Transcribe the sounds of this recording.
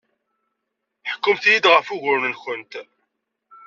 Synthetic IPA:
ħə̥kːʊmθjid̪ʁəfʊʝʊɾnənxənt̪

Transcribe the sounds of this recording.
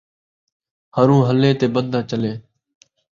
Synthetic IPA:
həɾũːɦəleːt̪eːbənd̪ʱaːt͡ʃəleː

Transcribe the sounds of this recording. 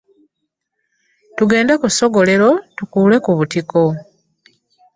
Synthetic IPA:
tuɡe̞ːndekuso̞ɡo̞le̞ɾo̞tukuːle̞kuβutiko̞

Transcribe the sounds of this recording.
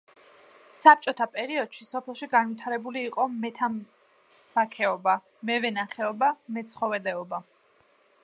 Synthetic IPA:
sap̚t͡ʃʼɔt̪ʰapʼɛɾiɔd̪̥ʃisɔpʰɛlˠʃiɡanvit̪ʰaɾɛbuliːqʼɔmɛt̪ʰam | b̥akʰɛɔba | mɛvɛnaχɛɔbamɛt̪sʰχɔvɛlɛɔba

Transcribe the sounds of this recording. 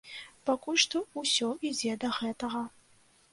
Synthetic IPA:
pakulʲʂt̪ɔusʲɔʔid͡zʲɛd̪ɐɣɛt̪ɐɣɐ

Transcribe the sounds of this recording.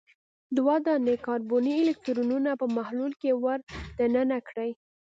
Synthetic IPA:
d̪wɑd̪ɑnd̪ekɑɾboniɪlɪk̚t̪ɾununapəmahlulkewaɾd̪ənənakɽəj

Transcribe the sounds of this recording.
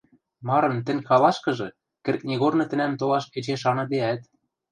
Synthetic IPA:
mɑɾɤ̆nt̪ɘ̆nʲxɑlɑʃkɤ̆ʒɤ̆ | kɘ̆rk̚nʲeɣornɤ̆t̪ɘ̆næmt̪olɑʃpet͡ɕeʃɑnɤ̆d̪eæt̪

